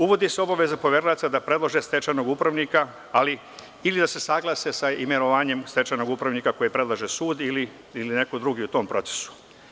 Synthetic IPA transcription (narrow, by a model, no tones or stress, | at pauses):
uʋo̞d̪iseo̞baʋe̞zapo̞ʋjeɾlat̪sad̪apɾe̞d̪loʒe̞st̪e̞t͡ʃano̞ɡupɾaʋnika | ali | ilid̪ase̞saɡlˠasesaime̞noʋaːɲe̞mst̪e̞t͡ʃano̞ɡupɾaʋnikako̞jipɾe̞d̪lˠaʒesuːd̪ili | iline̞kod̪ɾuɡiut̪o̞ːmpɾo̞t̪se̥su̥